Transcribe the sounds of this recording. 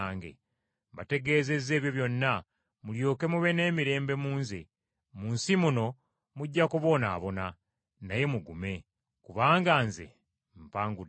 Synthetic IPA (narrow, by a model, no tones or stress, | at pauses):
ŋɡḛ | mbate̞ɡe̞ːze̞ze̞ːβjo̞βjo̞nːa | muljo̞ːke̞muβe̞ne̞ːmiɾe̞ːmbe̞muːnzḛ | muːnsimuno̞ | muɟːakuβo̞na̰ːβo̞na | naje̞muɡume̞ | kuβaːŋɡaːnzḛ | m̩paːŋɡud